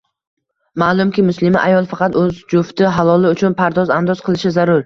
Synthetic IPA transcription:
maːlˠʊmkʲɪmʊslɪmɪʔajɒlˠfɑqʰɑt̪ɵzd͡ʒʊft̪ɪɦalˠɒlɪʊt͡ʃʰʊnpʰaɾd̪ɒzand̪ɒzqʰɨlˠɪʃɪzaɾʊɾ

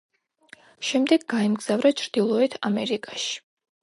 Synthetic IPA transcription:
ʃɛmd̪ɛɡɡaɛmɡz̥avɾat͡ʃʰɾd̪̥ilˠɔɛt̪ʰamɛɾikʼaʃi̥

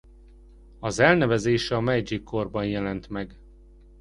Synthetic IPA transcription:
ɒzɛlnɛvɛzeːʃɛɒmɛjd͡ʒikʰːorbɒnjɛlɛnt̪mɛɡ

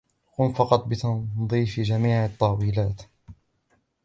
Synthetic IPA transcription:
kʊmfɑqɑt̪ˤbɪt̪ɑðˤiːfd͡ʒamiːʕɑt̪ˤːɑwiːlaːt̪

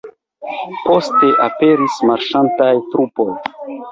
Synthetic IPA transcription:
po̞ste̞ʔape̞ɾismaɾʃantajtɾupo̞j

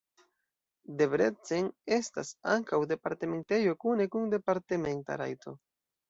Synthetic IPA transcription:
de̞bɾe̞t͡sene̞sta̰sa̰ŋkawde̞paɾte̞me̞nte̞jo̞kune̞kunde̞paɾteme̞nta̰ɾa̰jto̞

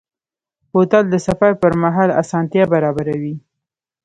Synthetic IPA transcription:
hot̪ald̪əsafaɾpəɾmaɦɑla̰sɑnt̪jɑbaɾɑbaɾawi

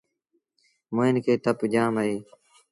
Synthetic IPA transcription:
moːɪnkʰeːt̪əpd͡ʒaːməeː

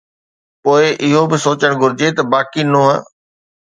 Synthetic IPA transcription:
poːɪʔɪɦobɪsoːt͡ɕəɽ̃ɡʱʊɾɪd͡ʑet̪ɐbaːkinõːɦə̰

